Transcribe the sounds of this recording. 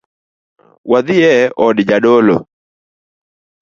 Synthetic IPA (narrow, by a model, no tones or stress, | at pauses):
waðɪɛɔdd͡ʒadɔlɔ̰